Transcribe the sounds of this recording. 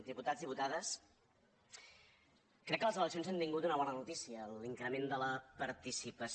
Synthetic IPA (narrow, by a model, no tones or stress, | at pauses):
d̪iput̪adzðiput̪aðəs | kɾɛkːələzələksijonzant̪iŋɡut̪unəβ̞ɔnənut̪isiəliŋkɾəmend̪ələpəɾt̪isipəs